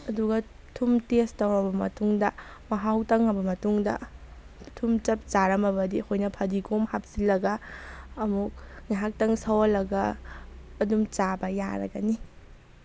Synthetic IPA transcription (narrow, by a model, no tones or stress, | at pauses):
ɐduɡɐ | tʰumtestɐwɾɐbɐmɐ̰tuŋdɐ | mɐɦawtɐŋɐbɐmɐtuŋdɐ̰ | tʰumt͡ʃɐp̚t͡ʃaɾɐmɐbɐdihojnɐpʰɐdikomhap̚silɐɡɐː | muk̚ŋeɦak̚tɐŋsɐwɐlɐɡɐː | dumt͡ʃabɐja̰ɾɐ̰ɡɐ̰ni